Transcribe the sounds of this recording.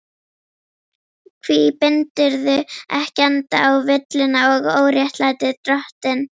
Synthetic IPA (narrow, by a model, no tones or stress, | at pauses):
kʰvipɪnt̪ɪɾðʏɛhcɛnt̪aawvɪt̪lɪnaɔɣoːwɾjɛht̪lajt̪ɪt̪ɾɔht̪ɪn